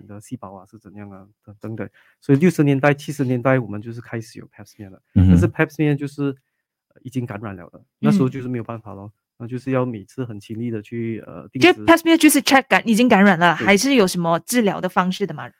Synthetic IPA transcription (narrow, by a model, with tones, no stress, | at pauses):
ŋd̪ə˦si˥˩pɑ˧˥ʊa˧ʂɻ̩˥˩t͡sə˨˩n˦jɑ˥˩ŋə˩t̪ə˧˩t̪ə˧˦ŋt̪ə˨˩˦ | swɔ˧˥i˨ljo˥˩ʊʂɻ̩˧˥njɛ˧˥nt̪a˥˩ɪt͡ɕʰi˥ʂɻ̩˧˥njɛ˧˥nt̪a˥˩ɪwɔ˨˩mə˦t͡ɕjo˥˧ʊʂ̬ɻ̩˥˩kʰa˥ɪʂɻ̩˨˩jo̰˨˩ʊpʰɛ˥psmɛ˥˩nlə˩t̪a˥˧nʂ̬̩˥˧˩pʰɛ˥psmɛ˥˧t͡ɕjo˥˧ʊʂɻ̩˥˩ | ə˧i˨˩t͡ɕi˥ŋka˧˥nɻa˨˩nljɑ̰˧˥ʊlə̰˧na˥˩ɻ̩˧˥˧t͡ɕjo˥˧ʂ̩˥˩˧jpa˥˩n˩fɑ̰˨˩lə˧˦ | na˥˧t͡ɕjo˥˧ʂɻ̩˥˧jɑ˥˩ʊme˨˩ɪt͡sʰɹ̩˥xə˨˩nt͡ɕʰi˧˥ŋli˥˩d̪ə˩t͡ɕʰy˥˩ə̰˩t̪i˥˧ŋ˥pʰɛ˥psmɛ˥˧t͡ɕjo˥˧ʂɻ̩˥˧ʈ͡ʂʰɛ˥kkːa˨˥ni˨˩t͡ɕi˥ŋka˧˥nɻa˨˩nlə˦xa˧˥ɪʂɻ̩˥˩jo˨˩ʊʂə˧˥nmə˧ʈ͡ʂɻ̩˥˩ljɑ˧˥ʊd̪ə˨˧fɑ˥ŋʂɻ̩˥˩ə˩mɐ̰˩